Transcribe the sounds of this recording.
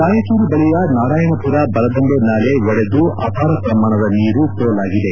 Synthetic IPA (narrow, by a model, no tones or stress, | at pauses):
naːjɐsuːɾubɐɭijɐnaːɽaːjɐmɐpuɾɐbɐɾɐd̪oɳɖonaːleʋɔɽed̪uʔa̰ːpʰaːɾɐpɾɐmːaːɳɐd̪ɐniːɾupoːlaːɡid̪e̞